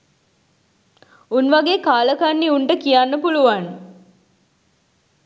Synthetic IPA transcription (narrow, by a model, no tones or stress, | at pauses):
unʋaɡeːkaːləkanːiuɳʈəkijanːəpuluʋan